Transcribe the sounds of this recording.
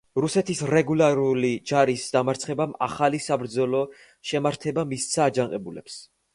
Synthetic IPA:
ɾusɛt̪ʰisɾɛɡulˠaɾulid͡ʒaɾisd̪amaɾt̪sʰχɛbama̰χalisabɾd̪zɔlɔ | ʃɛmaɾt̪ʰɛbamissʰaːd͡ʒaŋqʼɛbulɛ̰ps

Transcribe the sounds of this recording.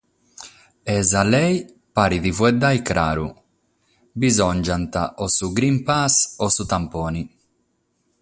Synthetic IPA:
ɛzalɛj | paːɾiðivwɛd̪ajkɾa̰ːɾṵ | bizɔnd͡ʒant̪a̰ʔɔsuɡɾimpasɔsut̪ampɔːni

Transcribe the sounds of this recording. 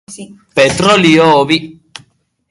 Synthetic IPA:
pet̪ɾolioβi

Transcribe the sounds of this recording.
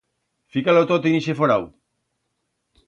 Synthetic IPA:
fikalot̪ot̪iniʃefoɾaw

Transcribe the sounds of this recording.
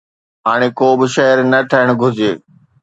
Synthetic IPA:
ɦaːɽ̃eːkoːbɪʃɐɦəɾnəʈʰəɦɪɽ̃ɡʱʊd͡ʑeː

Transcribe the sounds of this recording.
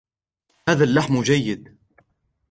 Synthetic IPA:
haːðalːaħmd͡ʒajːɪd̪

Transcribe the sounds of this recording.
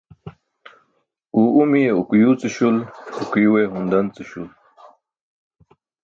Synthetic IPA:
uumijeukjuːt͡siɕulukiweɦund̪ɐnt͡siɕul

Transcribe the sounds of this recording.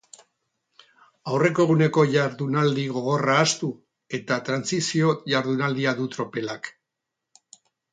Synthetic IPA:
awre̞koɣune̞ko̞ʝaɾðunald̪iɣ̞o̞ɣ̞o̞raːst̪u | e̞t̪at̪ɾansisio̞ʝaɾðunald̪iaðut̪ɾo̞pe̞lak

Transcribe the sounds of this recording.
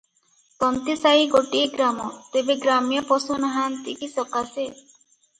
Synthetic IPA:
t̪ɔnt̪isaiɡoʈiɡɾamɔt̪ebeɡɾamjɔpɔsunaɦant̪ikisɔkase

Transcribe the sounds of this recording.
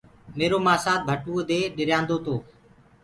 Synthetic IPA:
meːɾoːmaːsaːt̪̚bʱəʈuːd̪eːɗɪɾjãːnd̪oːt̪oː

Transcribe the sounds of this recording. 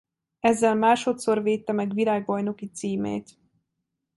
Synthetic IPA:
ɛzːɛlmaːʃo̞t̪so̞rveːt̪ːɛmɛɡʋilaːɡbɒjno̞kit̪siːmḛːt̪

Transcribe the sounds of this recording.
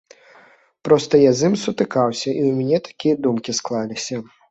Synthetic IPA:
pɾɔst̪ɐjazɨmsut̪ɨkawsʲɐʔiwmʲɛnʲɛt̪ḁkʲijɐd̪umkʲisklˠalʲisʲɐ

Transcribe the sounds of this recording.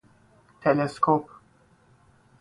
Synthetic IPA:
t̪ʰɛleskʰop

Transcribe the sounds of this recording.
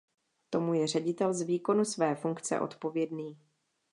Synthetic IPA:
t̪o̞mujɛr̝ɛɟɪt̪ɛlzviːko̞nusvɛːfuŋkt͡sɛ̰ʔo̞̰t̪po̞vjɛdniː

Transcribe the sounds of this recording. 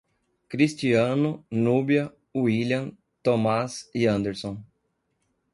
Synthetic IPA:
kɾist͡ʃiɐ̃nʊnubiɐ | uiljɐ̃ | t̪omasiɐ̃nd̪eɾsõ

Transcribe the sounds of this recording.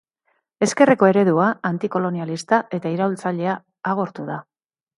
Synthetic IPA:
e̞ske̞reko̞e̞ɾe̞ðuaant̪iko̞lo̞nialist̪aʔe̞t̪aiɾault͡saʎe̞aː | ɣ̞o̞ɾt̪uð̞a

